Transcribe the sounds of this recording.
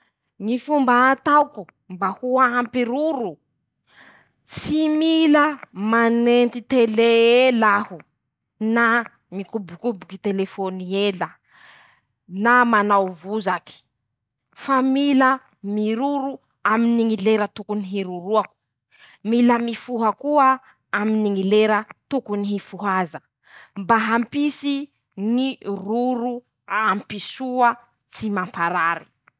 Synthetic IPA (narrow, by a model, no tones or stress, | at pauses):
ŋifumbaːt̪awku | mbahuaampiɾuɾu | t͡similəmanent̪it̪eleelahu | na | ŋikubukubukit̪elefonielə | namanawvuzaki̥ | familə | miɾuɾu | aminiŋileɾət̪ukuniɦiɾuɾuaku̥ | miləmifuɦakuə | aminiŋileɾət̪ukuniɦifuɦazə | mbaɦampisi | ŋiruɾu | ampisuə | t͡simampaɾaɾi̥